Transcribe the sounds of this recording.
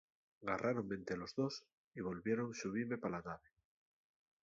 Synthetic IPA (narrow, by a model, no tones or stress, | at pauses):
ɡarʔaɾo̞mment̪elo̞zðo̞s | iβo̞lβje̞ɾo̞ŋsuβiɾme̞palanaβe